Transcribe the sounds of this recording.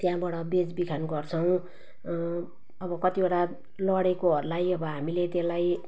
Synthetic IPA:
t̪jãbaɽʌbed͡zbikʰanɡʌrt͡sʰʌw̃ | ʌbʌkʌt̪ioɽa | lʌɽekoɦʌɾulajʌbʌɦamilet̪elaj

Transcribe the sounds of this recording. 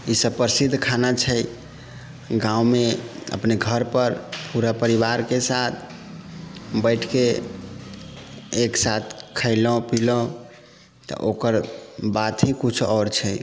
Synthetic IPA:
isəbpəɾsid̪ʱːkʰanat͡ʃʰəj | ɡãwmeə̰pneɡʱəɾpəɾpuɾapəɾiβaɾkesat̪ʰ | bəɪʈʰke | ksat̪ʰkʰəɪlɔ̃pilɔ̃ | t̪ɔ̰ʔokəɾbat̪ʰɦĩkut͡ʃʰɔɾt͡ʃʰəj

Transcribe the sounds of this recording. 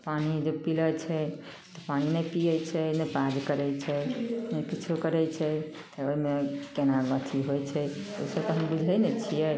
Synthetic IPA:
panid͡ʒepilət͡ʃʰɛt̪ɔpaninɛpijət͡ʃʰɛnəpad͡ʒkəɾɛjt͡ʃʰɛnəjkit͡ʃʰukəɾɛjt͡ʃʰɛ | t̪əoimekenaɡət̪ʰiɦojt͡ʃʰɛo̰jsəbkəɦənbud͡ʒʱɛjnɛt͡ʃʰijɛ

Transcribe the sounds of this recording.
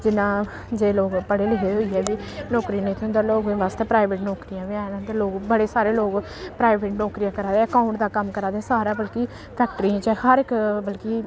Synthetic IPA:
d͡ʒɪnãː | d͡ʒeːloːɡpəɽeːleɦeːɦoiːɛːbiːnɔːkɾiːneːt̪ʰõːd̪aloːɡẽːʋaːst̪eːpɾaːɪʋeʈnɔːkɾijãːʋɪãːnãːt̪eloːɡbəɽeːsaːɾeːloːɡ | pɾaːɪʋeːʈnɔːkɾijãːkəɾaːd̪eːəkaːʊɳʈd̪aːkəmkəɾaːd̪eɛːsaːɾaːbəlki | pʰɛːk̚ʈɾiãːt͡ʃɛhəɾɪkbəlkiː

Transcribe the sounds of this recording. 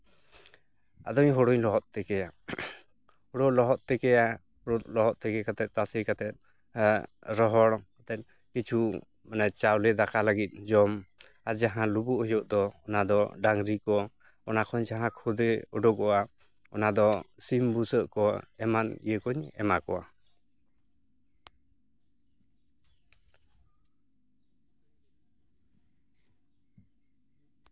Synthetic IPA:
a̰d̪ɔɲɦɔɽɔɲlɔɦɔt̪̚t̪ɛkɛja | hɔɽɔlɔɦɔt̪̚t̪ɛkɛja | ɔut̪lɔɦɔt̪̚t̪ɛkɛkat̪ɛt̪̚t̪asikat̪ɛt̪̚ | ɾɔɦɔɽkat̪ɛt̪̚ | kit͡ʃʰu | manat͡ʃawlɛd̪akaləɡit̪̚d͡ʒɔm | aɾd͡ʒaɦãlubuʔhɔjɔʔ̚d̪ɔːnad̪ɔɖaŋɾikɔ | ɔnakʰɔɲd͡ʒaɦãkʰɔd̪ɛɔɖɔkɔʔa | ɔ̰nad̪ɔsimbusəʔkɔɛmanḭjəkɔɲɛ̰makɔwa

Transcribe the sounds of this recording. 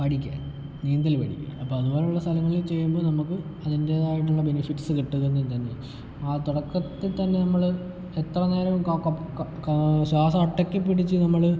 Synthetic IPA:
pɐɽikʲːa̰ | niːnd̪ɐlpɐɽḭkʲːa̰ɐpːoːɐðubo̞ːlejuɭːɐst̪ʰɐlɐŋːɐɭilt͡ɕe̞jːumboːnɐmukːɨɐðinde̞ːðaːjiʈ̬ːuɭːɐbe̞nifitːsɨkiʈːuɣenːut̪ɐnːe | aːt̪uɽɐkːɐt̪ːet̪ɐnːe̞nɐmːɐɭ | et̪rɐneːɾɐʋumk | ɕaːsɐɐʈːɐkʲːɨpːiɽit͡ɕːɨnɐmːɐɭ

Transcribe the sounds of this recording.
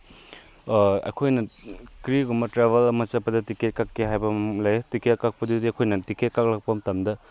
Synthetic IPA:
ɐ̰jkʰojnɐkɾiɡumɐtɾebʱɐlɐmɐt͡ʃɐpːɐdɐtiket̚kakːeɦajbɐlɐjtikekak̚pɐdudiɐkʰojnɐtiket̚kak̚lak̚pɐmtɐmdɐ

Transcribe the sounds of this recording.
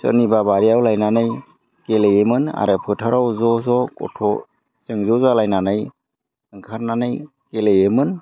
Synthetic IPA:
sɯ̰nibabaɾijawlajnanɯj | kelejemɯna̰ɾɯpʰɯtʰaɾawzɔzɔkɔ̰tʰɔ | sɯŋzɔzalajnanɯj | ɯŋkʰaɾnanɯj | kelejemɯn

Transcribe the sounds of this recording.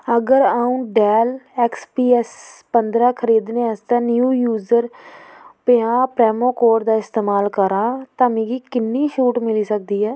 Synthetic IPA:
əɡəɾaːũːɖɛːlɛːkspiːɛspənd̪ɾãːkʰəɾiːd̪neːəst̪ãːnjuːjuːzəɾ | peãːpɾɛːmõːkoːɾd̪aːɪst̪eːmaːlkəɾãːt̪ãːmẽːɡiːkɪnːiːʃuːʈmɪliːsək̚d̪iːɦɛː

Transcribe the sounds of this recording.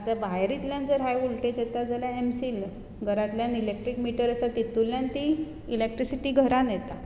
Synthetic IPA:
at̪abaɦɾit̪ljand͡zəɾɦajʋulʈet͡ɕet̪ad͡zʱaljaemsil | ɡʱəɾat̪ljãnilek̚ʈɾikmiʈəɾəsat̪it̪ulːjant̪i | ilek̚ʈɾisiʈiɡʱəɾanet̪a

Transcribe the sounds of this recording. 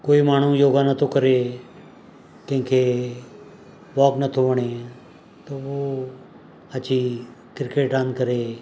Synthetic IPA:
koːimaːɳ̤̃ũjoːɡanət̪ʰokəɾe | kə̃ɦɪ̃keː | ʋɔːknət̪ʰoʋəɽ̃eː | t̪oːʋoː | ət͡ʃikɾɪkeːʈãːnkəɾeː

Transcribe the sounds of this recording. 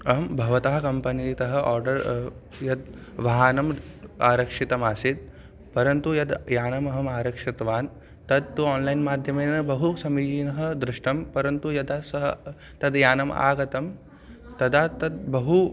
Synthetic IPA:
ɐɦɐmbʱɐʋɐt̪aɦɐ̆kɐmpɐnit̪ɐɦɐ̆ʔaːɾɖɐɾ | jɐd̪ʋɐɦaːnɐmaːɾɐkʂit̪ɐmaːsit̪̚ | pɐɾɐnt̪ujɐd̪jaːnɐmɐɦɐmaːɾɐkʂit̪ʋaːn | t̪ɐd̪̚t̪uaːnlɐjnmaːd̪ʱjɐmeːnɐbɐɦusɐmid͡ʒiːnɐɦɐ̆d̪ɾɪʂʈɐmpɐɾɐnt̪ujɐd̪aːsɐɦɐ | t̪ɐd̪jaːnɐma̰ːɡɐt̪ɐm | t̪ɐd̪aːt̪ɐd̪̚bɐɦu

